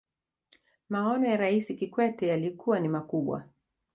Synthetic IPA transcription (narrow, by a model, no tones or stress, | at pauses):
maɔnɔjaɾaisikikwɛtɛjalikuwanimakuɓwa̰